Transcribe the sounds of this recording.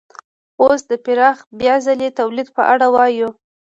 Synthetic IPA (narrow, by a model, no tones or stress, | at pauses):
osd̪əpɪɾɑxbjɑzalet̪awlid̪pə̰ʔaɽawɑju